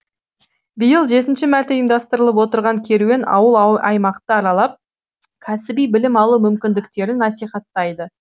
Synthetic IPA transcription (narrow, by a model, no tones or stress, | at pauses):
bɪjəlˠʒe̞t̪ɪnʃɪmæɾt̪e̞imd̪ɑst̪əɾəlˠəp̬wo̞t̪əɾʁɑŋkʲʰe̞ɾuwenɑ̰wəlˠɑjmɑqt̪əɑɾɑlˠɑp̚ | kʲʰæsɪbijbɪlɪmɑlˠumʏmkʲɪnd̪ɪkt̪e̞ɾɪnːɑsijχɑt̪ːɑjd̪ə